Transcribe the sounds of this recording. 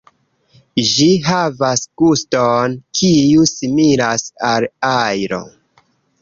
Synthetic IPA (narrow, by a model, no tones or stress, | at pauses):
d͡ʒiɦavasɡ̥ustonkʰijusimilasalajɾo̞̰